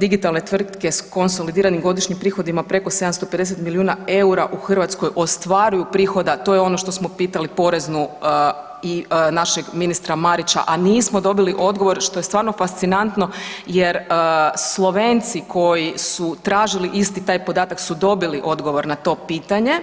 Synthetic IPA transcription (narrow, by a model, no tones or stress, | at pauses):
d̪iɡit̪alˠnet̪ʋr̩t̪ke̞sko̞nso̞lid̪iːɾanimɡo̞d̪iʃɲimpɾiːxo̞d̪imapɾe̞ko̞se̞d̪amst̪o̞pe̞d̪eset̪miliuːnae̞uɾaʔuxr̩ʋat̪skojʔo̞st̪ʋaɾujupɾiːxo̞d̪at̪o̞jeo̞no̞ʃt̪o̞smo̞piːt̪alipo̞ɾe̞znu | inaʃe̞ɡminist̪ɾamaɾit͡ɕa̰ʔaniːsmo̞d̪o̞biliʔo̞d̪ɡo̞ʋo̞ɾʃt̪o̞jest̪ʋaːɾno̞fast̪sinant̪no̞jeɾəslˠo̞ʋeːnt̪sikʰo̞jisut̪ɾaːʒiliʔist̪it̪aːjpo̞d̪aːt̪aksud̪o̞biliʔo̞d̪ɡo̞ʋo̞ɾnat̪o̞ːpiːt̪aɲe̞